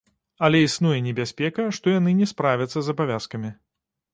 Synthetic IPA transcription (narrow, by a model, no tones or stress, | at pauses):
ɐlʲɛisnujɛnʲɛbʲasʲpʲɛkɐʂt̪ɔjanɨnʲɛspɾavʲɐt̪sːɐzɐbavʲaskɐmʲi